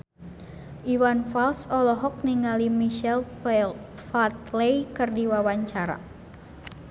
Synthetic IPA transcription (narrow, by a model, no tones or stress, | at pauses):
ʔiwanfalsɔlɔɦɔk̚niŋalimiʃɛl | fat̪lejkərdiwawaɲt͡ʃaɾa̰